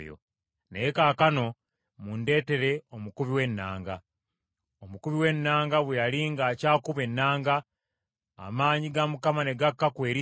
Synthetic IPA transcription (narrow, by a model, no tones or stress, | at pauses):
jo̰ | nejekaːkano̞ | munde̞ːte̞ɾe̞omukuβiwe̞nːaːŋɡa | omukuβiwe̞nːaːŋɡaβwejaliŋɡaːcaːkuβe̞nːaːŋɡa̰ː | maːɲiɡamukamane̞ɡakːakwe̞ːɾi